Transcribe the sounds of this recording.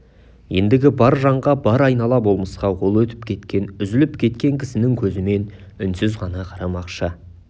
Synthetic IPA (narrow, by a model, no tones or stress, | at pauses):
je̞nd̪ɪɡʲɪbɑɾʒɑɴʁɑbɑɾɑjnɑlˠɑbo̞lˠməsqɑwo̞lˠwɵt̪ɪ̥p̚kʲʰe̞t̪kʲe̞nʏzɪlɪpkʲʰe̞t̪kʲe̞ŋkʲʰɪ̥sɪnɪŋkʲʰɵzɪme̞n | ʏnsɪzʁɑnɑqʰɑɾɑmɑqʃə